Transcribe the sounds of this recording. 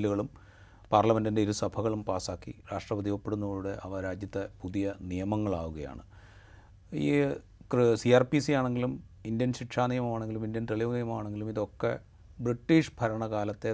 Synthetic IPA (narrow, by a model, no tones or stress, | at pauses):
luɣɐɭum | paːrlɐme̞ndinde̞iɾusɐbʱɐɣɐɭumpaːsaːkːḭɾaːʂʈrɐbɐðijopːeɽunːuoːɻuɽeʔɐʋɐɾaːd͡ʑjɐt̪ːepuðijɐnijɐmɐŋːɐɭaːʋuɣɐja̰ːɳɨ | ḭː | siaːrpisijaːɳe̞ŋɡilum | indjɐnɕikʂaːnijɐmɐmaːɳe̞ŋɡilumindjɐnt̪eɭiʋɐnijɐmɐmaːɳe̞ŋɡilumiðo̞kːḛ | briʈːiːʂbʱɐɾɐɳɐkaːlɐt̪ːe̞